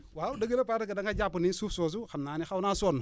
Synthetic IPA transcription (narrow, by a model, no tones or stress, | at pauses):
waudaɡelepaakadaŋkad͡ʒapunisufsos̬uxamnanixawnasonːu